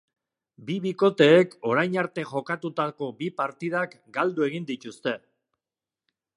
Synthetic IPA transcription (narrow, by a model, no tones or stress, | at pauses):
biβiko̞t̪e̞ːko̞ɾajnaɾt̪e̞ʝo̞kat̪ut̪ako̞bipaɾt̪ið̞ak | ɡald̪ue̞ɣ̞ind̪it̪ust̪e̞